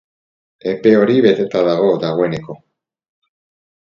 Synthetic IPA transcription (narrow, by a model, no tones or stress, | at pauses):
e̞pe̞o̞ɾiβe̞t̪e̞t̪aðaɣo̞ðaɣ̞oe̞neko̞